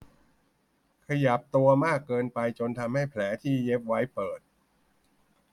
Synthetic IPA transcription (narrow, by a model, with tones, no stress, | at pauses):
kʰa˧ja˨˩p̚t̪u˧ɐmaː˥˩kːɤː˧npa˧jt͡ɕo˧nt̪ʰa˧mha˥˩jpʰlɛː˩˦t̪ʰiː˥˩je˦˥p̚wa˦˥jpɤː˨˩t̪̚